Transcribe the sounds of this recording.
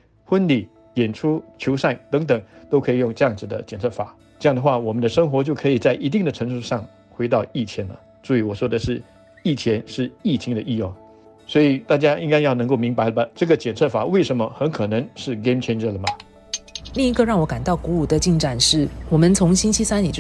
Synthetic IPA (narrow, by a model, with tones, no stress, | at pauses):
xwə˥nli˨˩ | jɛ˨˩nʈ͡ʂʰu˥t͡ɕʰjo˧˥ʊʂa˥˩nt̪ɤ˧˥ŋt̪ə˨˩ŋt̪o˥ʊkʰɤ˧˥i˨˩jʊ˥˧ŋʈ͡ʂɤ˥˧jɑ˥˩ŋd͡zɹ̩˨˩d̪ə̰˦t͡ɕjɛ˨˩nt͡sʰɤ˥˩fa̰˨˩˦ | ʈ͡ʂɤ˥˧jɑ˥˩ŋd̪ə˩xwa˥˩wɔ˨˩mə˦nd̪ə˧ʂɤ˥ŋxwɔ˧˥t͡ɕjo˥˩ʊkʰɤ˧˥i˨˩t͡sa˥˩ɪʔi˧˥t̪̬i˥˩ŋd̪ə˩ʈ͡ʂʰɤ˧˥ŋʂu˥˧ʂɑ˥˩ŋ | xwe˧˥ɪt̪ɑ˥˧ʊi˥˩t͡ɕʰjɛ˧˥nlə̰˨ | t͡su˥y˧˥wɔ˨˩ʂwɔ˥d̪ə˨ʂɻ̩˥˩ | i˥˩t͡ɕʰjɛ˧˥nʂɻ̩˥˧i˥˩t͡ɕʰi˧˥ŋd̪ə˨ʔi˥˧jʊ˥˩ŋ | swɔ˧˥i˨˩t̪a˥˩t͡ɕja˥ʔi˥ŋka˥ɪjɑ˥˩ʊn˧˥ko˥˩ʊmi˧˥ŋpa˧˥ɪlə˧bɐ˧ʈ͡ʂɤ˥˩ɡə˩t͡ɕjɛ˨˩nt͡sʰɤ˥˩fa˨˩˦we˥˩ɪʂə˧˥nmə˧xə˧˥nkʰɤ˨˩nɤ˧˥ŋʂɻ̩˥˩ɡe˥mt͡ɕʰɛ˥nʈ͡ʂə˥˩lə˩mɐ˩ | li˥˧ŋi˧˥ɡə˧ɻɑ˥˩ŋwɔ˧˥ka˨˩nt̪ɑ˥˩ʊku˧˥u˨˩d̪ə˨t͡ɕi˥˩ŋʈ͡ʂa˨˩nʂɻ̩˥˩wɔ˨˩mə˦nt͡sʰʊ˧˥ŋɕi˥nt͡ɕʰi˥sa˥ni˨˩t͡ɕ